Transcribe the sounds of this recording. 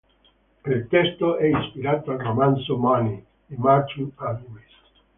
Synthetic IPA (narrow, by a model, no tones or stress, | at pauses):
pɾelt̪ɛst̪oɛinspiɾaːt̪oalromansomani | emart͡ʃut̪aluis